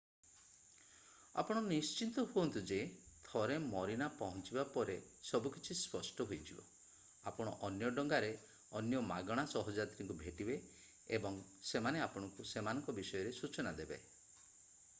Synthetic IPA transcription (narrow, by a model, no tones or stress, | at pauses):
a̰pɔɽ̃ɔnist͡ʃint̪ɔɦuɔnt̪ud͡ʒe | t̪ʰɔɾemɔɾinapɔɦɔnt͡ʃibapɔɾe | sɔbukit͡ʃʰispɔsʈɔɦojd͡ʒʰibɔ̰ | a̰pɔɽ̃ɔʔɔnjɔɖɔŋɡaɾe | ɔnjɔmaɡɔɽ̃asɔɦɔd͡ʒat̪ɾiŋkubʱeʈibe | ebɔŋ | semaneapɔɽ̃ɔŋkusemanɔŋkɔbisɔjɔɾesut͡ʃɔnad̪ebḛ